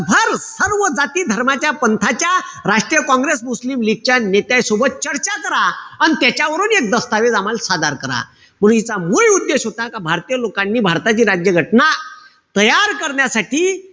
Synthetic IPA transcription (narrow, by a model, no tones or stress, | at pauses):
bʱəɾsəɾʋəd͡zat̪iːd̪ʱəɾmat͡ɕjapənt̪ʰat͡ɕjaɾaʂʈɾijəkɔ̃ŋɡɾesmuslimliɡ̚t͡ɕanet̪jajsobət̪̚t͡ɕəɾt͡ɕakəɾaanit̪jat͡ɕjaʋəɾuːnek̚d̪əst̪aʋed͡zamalsad̪aɾkəɾa̰ | m̤əɽ̃unit͡samuɭud̪ːeɕɦot̪akabʱaɾt̪ijəlokanːiːbʱaɾt̪at͡ɕiːɾad͡ʑjəɡʱəʈna | t̪əjaɾkəɾɳjasaʈiː